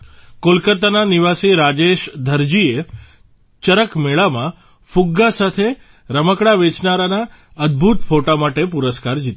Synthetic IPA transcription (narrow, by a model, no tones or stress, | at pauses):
kolkət̪ananiʋasiɾad͡ʒeʃd̪ʱəɾd͡ʒie | t͡ʃəɾəkmeɭamã | fuɡːasat̪ʰe | ɾəməkɽaʋet͡ʃnaɾanaəd̪̚bʱut̪fʰoʈamaʈepuɾəskaɾd͡ʒit̪